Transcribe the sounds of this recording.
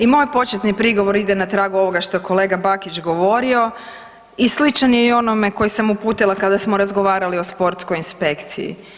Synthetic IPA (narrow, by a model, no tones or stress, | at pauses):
imo̞jpo̞t͡ʃet̪nipɾiɡo̞ʋo̞ɾid̪enat̪ɾaːɡuo̞ʋo̞ɡaʃt̪o̞jeko̞le̞ːɡabakit͡ʃɡo̞ʋo̞ɾio̞ | islit͡ʃanjeio̞nome̞ko̞jisamupuːt̪ilˠakad̪asmo̞ɾazɡo̞ʋaːɾalio̞spo̞ɾt̪sko̞jinspe̞kt̪sḭjḭ